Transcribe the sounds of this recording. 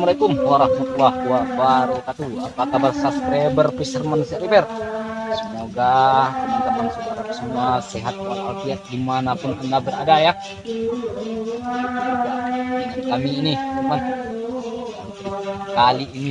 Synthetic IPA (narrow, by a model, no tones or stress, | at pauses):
məɾekumwaɾahmut̪lauwawaɾekat̪uapakabərsaskɾɛbərpisərmansɛɾipɛrsəmoɡamant̪amansəmuasɛɦat̪̚kəpaɾaa̰lt̪iaʔ̚dimanapunkunabəɾa̰daja | aakamiːniuman | a | kaliːni